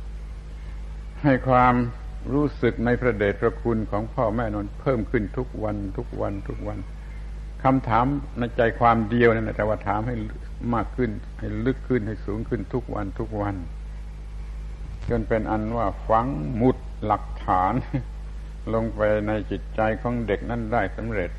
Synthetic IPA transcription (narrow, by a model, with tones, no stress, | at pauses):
ha˥˩jkʰwaː˧m | ɾuː˦˥˩sɯ˨˩k̚na˧jpʰɾa˧deː˨˩t̪̚pʰɾa˧kʰu˧nkʰɔː˩˦ŋpʰɔː˥˩mɛː˧˩nɔː˧˥npʰɤː˥˩mkʰɯ˧˩nt̪ʰu˦˥k̚wa˧nt̪ʰu˦˥˩k̚wa̰˧nt̪ʰu˦˥k̚wa˧n | kʰa˧mt̪ʰaː˩˦mna˧˩jt͡ɕa˧jkʰwaː˧mdi˧əwna˥˩˨la˧˩t̪ɛː˧˦waː˧˥˩t̪ʰaː˩˦mha˥˩jl | maː˥˩kʰːɯ˥˩n | ha˥˩jlɯ˦˥˩kʰːɯ˥˩nha˥˩jsuː˩˦ŋkʰɯ˥˩nt̪ʰu˦˥k̚wʔa̰˧nt̪ʰu˦˥˩k̚wa˧n | t͡ɕo˧npe˧nʔa˧nwaː˥˩fa˧˦ŋmu˨˩t̪̚la˨˩k̚t̪ʰaː˩˦n | lo˧ŋpa˧jna˧jt͡ɕi˨˩t̪̚t͡ɕa˧jkʰɔː˩˦ŋde˨˩k̚na˥˨ndaː˥˩jsa˨˦mɾe˨˩t̪̚